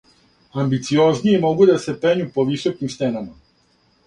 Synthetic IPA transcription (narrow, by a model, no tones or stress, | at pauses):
ambit̪sio̞zniemo̞ɡud̪ase̞peɲupo̞ʋiso̞kimst̪enama